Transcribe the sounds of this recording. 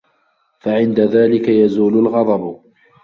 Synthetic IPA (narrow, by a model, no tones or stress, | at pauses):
faʕɪnd̪aðaːlɪkajazuːlʊlɣɑd̪ˤɑb